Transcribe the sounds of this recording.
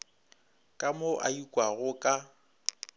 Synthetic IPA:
kʼamoʔaikʼwaɣʊkʼa

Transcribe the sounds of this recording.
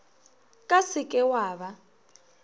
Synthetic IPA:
kʼasɪkʼɛwaːβa

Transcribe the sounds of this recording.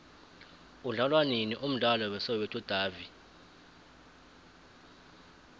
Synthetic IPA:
uɮalwaniniʔum̩ɮalɔwɛsɔwɛtʼɔd̥ʱaːvi

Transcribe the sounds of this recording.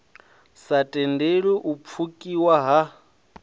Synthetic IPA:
satʼɛndeɺiʔup̪fʰukʼiwaɦa

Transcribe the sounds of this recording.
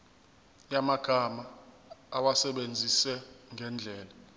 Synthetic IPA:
jamaɡ̥ʱama | awasɛɓend͡zʱisɛŋʱɛnd͡ɮʱɛːla

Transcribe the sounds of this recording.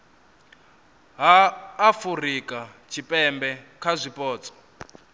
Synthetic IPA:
ɦaːfurikʼat͡ʃʰipʼɛmbɛkʰazʷipʼɔːt͡sʼɔ̥

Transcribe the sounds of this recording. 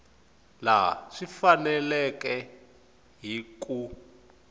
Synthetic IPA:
la̰ʂifanɛlɛkɛ | ɦiku

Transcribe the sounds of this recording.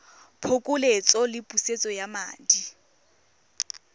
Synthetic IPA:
pʰokʼʊlet͡sʼɔlɪpʼuset͡sʼɔjama̰ːdi

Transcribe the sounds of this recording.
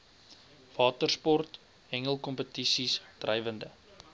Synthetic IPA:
v̥ɑːtərspɔrt | ɛŋəlˠkɔmpətisisd̥rɛjvəndə

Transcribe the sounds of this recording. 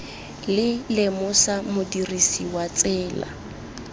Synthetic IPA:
lɪlemʊsamʊdirisiwat͡sʼɛːla̰

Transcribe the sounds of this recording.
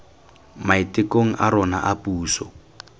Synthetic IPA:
maitɪkoŋ̩ʔaɾɔna̰ʔapuːsɔ

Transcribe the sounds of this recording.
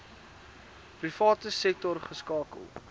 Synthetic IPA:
prifɑːtəsɛk̚tɔrχəskɑːkə̰lˠ

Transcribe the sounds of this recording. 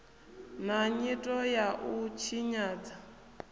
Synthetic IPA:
naɲitʼɔjaʔut͡ʃʰiɲaːd͡za

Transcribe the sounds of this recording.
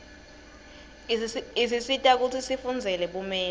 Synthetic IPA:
is̬isitʼak̬ut͡sʰisifund͡zʱɛlɛɓumɛː

